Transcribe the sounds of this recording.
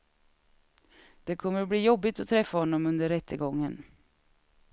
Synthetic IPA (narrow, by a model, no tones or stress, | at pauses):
d̪̥ɛkʰɔmːəɾbliːjɔbːɪt̪ɔt̪ʰɾɛfːahɔnːɔmɵnd̪əɾɛt̪ʰːəɡɔŋːən